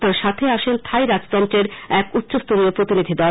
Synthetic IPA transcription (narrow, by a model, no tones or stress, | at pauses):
t̪aɾʃat̪ʰeaʃent̪ʰajɾad͡ʑt̪ɔnt̪ɾeɾɛkut̪ːɕost̪uniopɾot̪inid̪ʱid̪ɔ